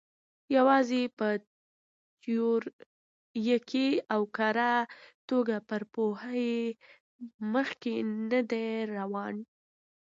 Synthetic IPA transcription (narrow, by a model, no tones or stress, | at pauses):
jawɑzepə | joɾ | jəkʰeawkaɾat̪oɡapəɾpohaje | məxkenəd̪eɾawɑn